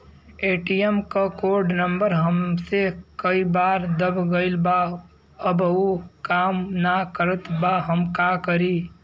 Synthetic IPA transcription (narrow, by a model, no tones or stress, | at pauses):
eːʈijemkəkoɾɖnəmbəɾɦəmsekəibaːɾd̪əbʱɡəɪlba | əbukaːmnakəɾət̪baɦəmkakəɾi